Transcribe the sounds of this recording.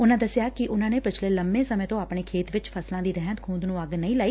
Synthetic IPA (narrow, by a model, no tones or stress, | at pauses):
ʊnãd̪əsjakiʔʊnãːnepɪt͡ʃʰleləmbẽsəmẽt̪õaːpɳ̃ekʰeːt̪ʋɪt͡ʃfʰəslãd̪iːd̪ɛɦət̪kʰũːnd̪nũəɡnəĩːlaːiː